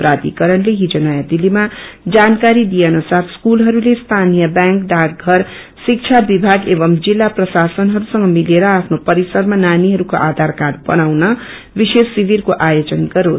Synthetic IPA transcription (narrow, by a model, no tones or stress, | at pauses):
pɾad̪ḭkʌɾʌnleɦid͡zonajad̪ilimad͡zankaɾid̪ijenusaɾskulɦʌɾulest̪ʰanijʌbjaŋkɖakɡʱʌɾ | sik̚t͡ʃʰabibʱaɡeβʌmd͡zilːaprʌsasʌnɦʌɾusʌŋɡʌmileɾʌapʰnopʌɾisʌɾmananiɦʌɾukoʔad̪ʱaɾkadbʌnawnʌ | bisesːibirkoʔajod͡zʌnɡʌɾo